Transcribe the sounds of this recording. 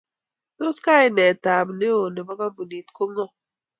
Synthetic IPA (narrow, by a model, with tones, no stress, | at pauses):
no˦ska˦jnɛ˨ta˨m˨ne˦o˨ne˨ba˦ka˦bu˨ni˨tko˦ŋɔ˦